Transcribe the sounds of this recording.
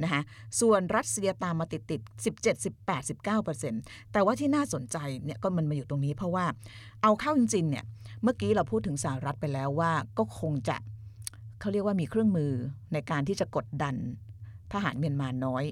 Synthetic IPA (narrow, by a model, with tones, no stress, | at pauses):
na˦˥kʰa˦˥su˨˩ənɾa˦˥t̪̚si˧ɐt̪aː˧mːaː˧t̪i˨˩t̪ːi˨˩t̪̚si˨˩p̚t͡ɕe˨˩t̪̚si˨˩pːɛː˨˩t̪̚si˨˩p̚kaː˥˩wpɤː˧se˧nt̪ɛː˨˩waː˥˩t̪ʰiː˥˩naː˥˩so˩˦nt͡ɕa˧jni˥˩ɐkɔː˥˩ma˧nma˧juː˨˩t̪o˧ŋniː˦˥pʰɾɔ˦˥waː˥˩ʔa˧wkʰaː˥˩wʔi˧ŋsiː˧nːi˥˩əmɯ˥˩kiː˦˥ɾa˧wpʰu˥˩t̪ʰːɯ˩˦ŋsa˧˩a˧ɾa˦˥t̪̚pa˧jlɛː˦˥wːaː˥˩kɔː˥˩kʰo˧ŋt͡ɕa̰˨˩ʔkʰa˥˩wɾi˥˩ək̚waː˥˩miː˧kʰɾɯ˥˩əŋmɯː˧na˧jkaː˧nt̪ʰiː˥˩t͡ɕa˨˩ko˨˩t̪̚da˧nt̪ʰaː˧˩ɦa̰ː˩˦nmi˧ənmaː˧nːɔː˦˥j